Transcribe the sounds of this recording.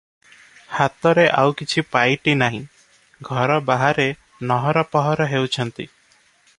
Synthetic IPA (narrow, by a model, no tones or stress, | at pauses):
hat̪ɔɾeʔawkit͡ʃʰipajʈinaɦĩ | ɡʱɔɾɔbaɦaɾe | nɔɦɔɾɔpɔɦɔɾɔɦewt͡ʃʰɔnt̪i